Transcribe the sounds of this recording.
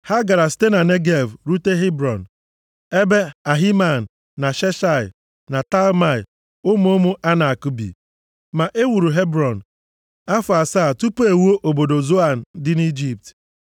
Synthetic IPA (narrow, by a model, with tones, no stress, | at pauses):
ha˦ɡa˨ɾa˨ste˦na˨ne˦ɡe˨vɾu˦te˦ɦe˦bɾɔ˨n̩˨ | e˦be˦a˨ɦi˦ma˨n̩˨ | na˨ʃe˦ʃa˦˨ɪ̰˨ | na˨ta˦lma˦˨ɪ̰˨ | ʊ˦m˦o˦mʊ˦ʔa˦na˨a˨ku˦bḭ˨ | ma˨ʔe˦wu˨ɾu˨ɦe˦bɾɔ˨n̩˨ | a˦fʊ˨a˨sa˦˨tu˦pe˨wo˦ʔo˨bo˨do˨zo˦a˨n̩˨dɪ˦ni˦d͡ʒi˦p̚t